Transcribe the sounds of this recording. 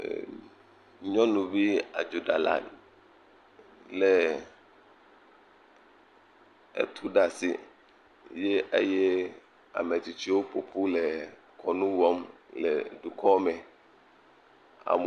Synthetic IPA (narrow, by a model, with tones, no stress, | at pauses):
ɲɔ̃˦nũ˨bi˦a̰˨d͡ʒu˨ɖa˨la̰˨ | lɛ˨ | ḛ˨t̪ʰu˦ɖa˨sḭ˨ | je˦ʔḛ˦jɛ˦ | a̰˨me˨t͡ɕi˨t͡ɕi˦wo˦po˨pʰu˦lɛ˨ | kʰɔ˨nũ˦wɔ˦m | lɛ̰˨ɖu˨kʰɔ˦mɛ̃˨ | a̰˨m